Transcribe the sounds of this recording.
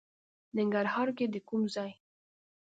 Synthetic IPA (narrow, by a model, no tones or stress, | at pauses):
nɪŋɡaɾɦɑɾked̪əkumzɑj